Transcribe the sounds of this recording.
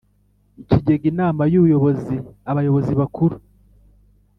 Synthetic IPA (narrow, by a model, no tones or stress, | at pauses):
iciɟe̞ɡinaːmajuβujo̞βo̞ziaβajo̞βo̞ziβakuɾu